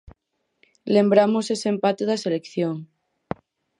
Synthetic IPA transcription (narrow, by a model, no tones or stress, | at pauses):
le̞mbɾamosesempat̪eðaselekθjoŋ